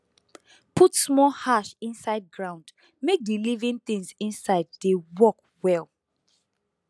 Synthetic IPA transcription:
pʰutsmɔlhaʃĩnsaɪd̚ɡɹãʊ̃nd | mek̚dilivĩnθĩŋzĩnsaɪdːewɔk | wɛlˠ

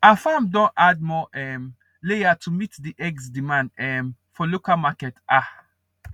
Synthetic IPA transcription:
afamdɔ̃ntad̚mɔɛm | leatʰumitdiʔɛɡsdimãndɛm | fɔlukamakɛtʔa

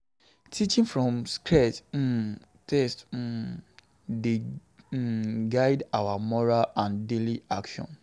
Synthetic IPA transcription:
tʰit͡ʃĩŋfɹɔ̃mskɹɛt̩ | tʰɛst̩ | de | ɡaɪdawamɔɹalãndeliʔakʃɔ̰̃n

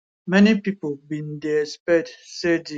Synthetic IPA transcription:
mɛnipipobĩndespɛdsedi

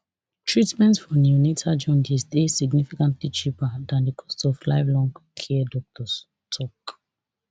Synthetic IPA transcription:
tʰɹitmɛ̃ntsfɔnjunetʰad͡ʒɔ̃nd͡ʒisdesiɡnifikãntlit͡ʃipadãndəkʰɔ̥stɔvlaɪvlɔ̃ŋɡkʰɛdɔk̚tʰɔs | tʰɔk

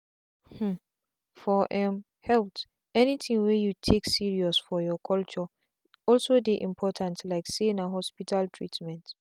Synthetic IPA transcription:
hm̩ | fɔʔɛ̃m | hɛlt | ɛnitʰĩŋwɛjutʰeksiɹiɔsfɔjɔkʰɔlt͡ʃɔ | ɔlsodiʔḭ̃mpʰɔtʰãntlaɪksẽnaɦɔspitʰaltʰɹitmɛ̃nt

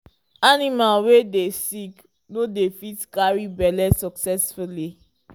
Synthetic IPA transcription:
animalwedesik | nodefitkaɹibɛlɛsɔksɛsfuli

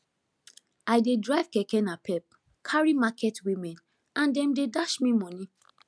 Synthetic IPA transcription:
ajdedɹaɪv̥kɛkɛnapɛp̚ | kʰaɹimakʰɛtwimɛ̃n | ãndɛ̃mdedaʃmĩmɔ̃nĩ

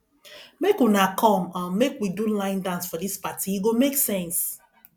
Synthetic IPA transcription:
mekunakʰɔ̃mãmekwidulãɪ̃ndãnsfɔdispatiiɡomeksɛ̃ns

